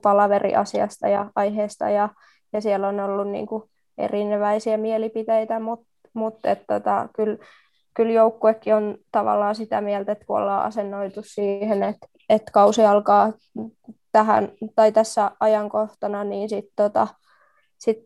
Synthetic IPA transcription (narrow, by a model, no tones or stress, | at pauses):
pɑlɑʋerḭʔɑ̰siɑ̰st̪ɑ̰jɑʔɑiheːst̪ɑ̰jɑ | jɑsielonolːunnḭːŋku | ḛrinʋæisiæmielipit̪ejt̪æmut̪ | mut̪et̪t̪ot̪ɑ̰kyl | kyljoukːuekːiont̪ɑʋɑ̰lːɑːsit̪æmiɛlt̪et̪kuo̰lːɑːʔɑ̰senːoit̪ussiːhenet̪ | et̪kɑusiɑlkɑː | t̪æhæ̰nt̪ɑit̪æsːæʔɑjɑŋkoht̪ɑnɑniːnsit̪tot̪ɑ | sit̪